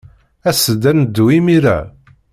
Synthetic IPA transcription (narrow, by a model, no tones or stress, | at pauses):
æsəd̪ænd̪ːuimiɾæ̰